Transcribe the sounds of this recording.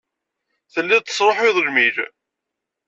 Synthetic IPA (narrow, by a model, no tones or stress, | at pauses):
θəlːiðt̪ːə̥sˤɾˤoħiðˤʒmiɾ